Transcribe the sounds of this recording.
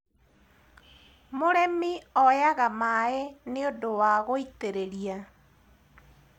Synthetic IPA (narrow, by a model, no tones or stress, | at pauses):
moɾɛmiɔjaɣamaeneodowaɣoiteɾeɾia